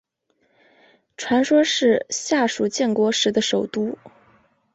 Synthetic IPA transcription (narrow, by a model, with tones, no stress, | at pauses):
ʈ͡ʂʰwa˧˥nʂwɔ˥ʂɻ̩˥˧ɕja˥˩ʂu˨˩t͡ɕjɛ˥˩nkwɔ˧˥ʂɻ̩˧˥d̪ə˧ʂo˨˩ʊt̪u˥